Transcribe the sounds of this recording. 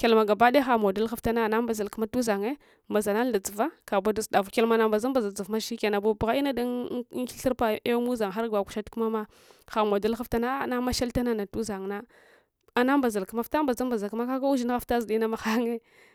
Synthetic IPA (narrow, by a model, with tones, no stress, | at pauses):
ke˨lma˨ɡa˨ba˦de˦xa˨mo˨da˦lxa˦fta˦na˦˨na˦mba˨za˨lku˦ma˦tu˦za˨ŋe˦ | ma˨za˨na˦n˦da˨d͡zu˨va˦ka˨ba˦da˨sda˨vu˨kʲe˦lma˨na˨ba˨za˦mba˨za˨d͡zu˨vma˦ʃi˦ke˨na˨bu˦bɣa˦i˦na˦da˦i˦ɬi˦ɾpa˦e˦mu˦za˨ŋxa˦ɾɡa˨ku̥˨ʃa˦tku˦ma˦ma˦ | xa˨mo˨da˦lxa˦fta˦na˦˨na˦ma˦ʃa˦lta˦na˦na˨tu˦za˨ŋ˨na˦ | a˨na˦mba˨za˨lku˦ma˨fta˦mba˨za˦mba˨za˨lkma˦ka˦ka˦u˦ʒi˦n˦ɣa˦fta˦zi˨di˦na˦ma˨xa˦ŋe˦